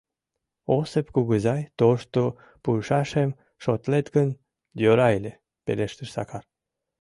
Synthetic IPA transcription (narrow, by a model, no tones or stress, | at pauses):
osepkuɡəzɑjt̪oʃt̪o | pujʃɑʃem | ʃot̪let̪kən | d̪ʲoɾɑjlʲe | peleʃt̪əʃsɑ̰kɑr